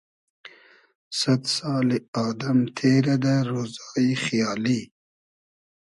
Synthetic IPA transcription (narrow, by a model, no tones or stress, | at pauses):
sɐt̪sɑːliɑːd̪amt̪ʰeːɾad̪aɾoːzɑːixjɑːli